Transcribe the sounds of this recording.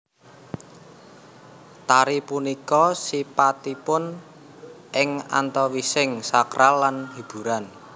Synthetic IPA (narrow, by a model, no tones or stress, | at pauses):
t̪aɾipunikɔsipat̪ipʊn | ʔɪŋa̰nt̪ɔwisɪŋsakɾʔalːanhib̥ṳɾan